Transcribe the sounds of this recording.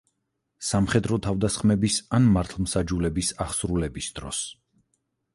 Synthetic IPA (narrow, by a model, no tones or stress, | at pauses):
samχɛd̪ɾɔt̪ʰavd̪asχmɛbisanmaɾt̪ʰlˠmsad͡ʒulɛbisaχsɾulɛbisd̪̥ɾɔ̰s